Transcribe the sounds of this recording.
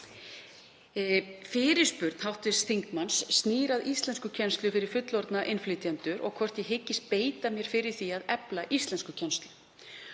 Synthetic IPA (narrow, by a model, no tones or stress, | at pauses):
fɪːɾɪ̥spʏɾt̪nhawht̪ɪsθiŋkmansːniːɾaðist̪ɛnskʏcʰɛnst̪lʏfɪɾɪɾ̥fʏt̪lɔɾt̪naʔɪnflɪt̪iant̪ʏɾʔɔ̰ɣkʰvɔr̥t̪jɛɦɪcːɪst̪̚peːjt̪amjɛɾ̥fɪɾɪɾ̥θiaðɛplaʔist̪lɛnskʏcʰɛnst̪lʏ